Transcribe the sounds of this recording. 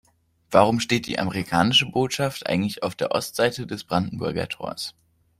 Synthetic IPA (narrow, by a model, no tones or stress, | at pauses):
v̥aʁ̞ʊmʃteːt̚d̥ḭːʔa̰məʁikʰaːnɪʃəboːtʃaftʔa̰ɪɡŋ̩tlɪçaʊfd̥eːɐʔɔ̰stz̥aɪtədɛsb̥ʁandn̩bʊɐɡɐ̰tʰo̰ːɐs